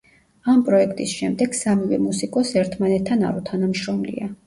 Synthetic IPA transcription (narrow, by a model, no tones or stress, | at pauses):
ampʼɾɔɛkʰt̪ʼisʃɛmd̪ɛɡ̥samivɛ̰musikʼɔsɛɾt̪ʰmanɛt̪ʰːana̰ɾut̪ʰanamʃɾɔmlḭa